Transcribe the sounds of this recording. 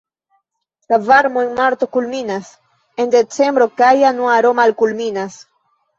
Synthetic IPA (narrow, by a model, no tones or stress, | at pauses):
lavaɾmoenmaɾt̪o̞kulminas | e̞nd̪e̞t͡se̞mbɾo̞kajanuaɾo̞malkulminas